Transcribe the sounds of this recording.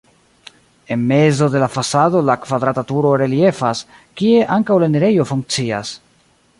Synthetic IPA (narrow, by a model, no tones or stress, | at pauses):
e̞nme̞zo̞de̞lafasado̞lakvad̪ɾatatuɾo̞ɾe̞lie̞fas | kie̞ʔaŋkawlaneɾe̞jo̞fuŋk̚t͡sia̰s